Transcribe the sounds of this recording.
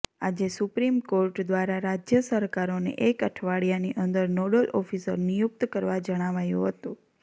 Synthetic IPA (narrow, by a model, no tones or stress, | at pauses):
ad͡ʒesupɾimkoɾʈd̪ʋaɾaɾad͡ʒjəsəɾkaɾonḛʔekəʈʰʋaɽijaniʔənd̪əɾnoɽəlʔɔfisə̰ɾnijʊk̚t̪kəɾʋad͡ʒəɽ̃aʋajṵ̃ɦət̪ũ